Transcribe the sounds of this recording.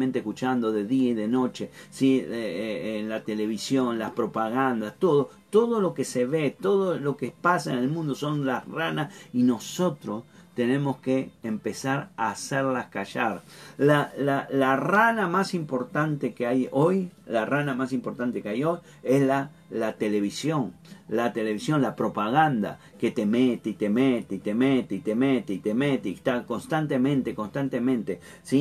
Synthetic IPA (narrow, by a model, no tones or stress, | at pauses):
mẽnt̪ehkut͡ʃand̪oðeðiaiðeno̞t͡ʃesieeenlat̪eleβ̞isjonlaspɾo̞paɣand̪ast̪o̞ðot̪oðolo̞keseβet̪oðolo̞kepasaenelmũnd̪oso̞nlasranasino̞so̞t̪ɾost̪enẽ̞mo̞skeːmpesaɾaːseɾlaskaʃaɾlalalaranamasimpo̞ɾt̪ant̪ekeajojlaranamasimpo̞ɾt̪ant̪ekeajo̞j | esla | lat̪ele̞βisjo̞ŋlat̪e̞le̞βisjõ̞nlapɾo̞paɣand̪a̰ | ket̪e̞met̪eit̪emet̪eit̪emet̪eit̪emet̪eit̪emet̪eit̪ako̞nst̪ant̪emẽ̞nt̪eko̞nst̪ant̪emẽnt̪e | si